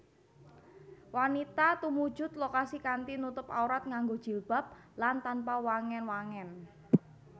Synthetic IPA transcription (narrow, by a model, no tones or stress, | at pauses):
wanit̪at̪umu̥ʒ̥ʊ̤t̪̚lokasikant̪inut̪ʊpa̰uɾat̪̚ŋaŋɡod̥ʒ̥i̤lb̥a̤p̚lant̪anpawaŋɛnwaŋɛn